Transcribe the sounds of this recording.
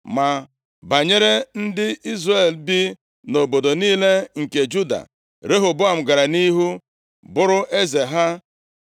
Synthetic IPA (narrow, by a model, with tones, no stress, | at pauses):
ma˨ | ba˨ɲe˦ɾe˦n̩˦dɪ˦i˦zre˨lbɪ˦ | no˨bo˨do˨niː˦le˦ŋ̩˨ke˨d͡ʒu˦da̰˨ | ɾe˦ɦo˨bʊ˦a˨m̩˨ɡa˨ɾa˨ni˦ɦu˦ | bʊ˦ɾʊ˦ʔe˦ze˨ɦa˦